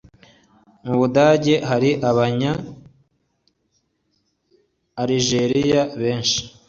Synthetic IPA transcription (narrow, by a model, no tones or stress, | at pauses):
muβudaːɟe̞haɾiʔaβaɲa | ɾiʒe̞ɾijaβeːnʃi̥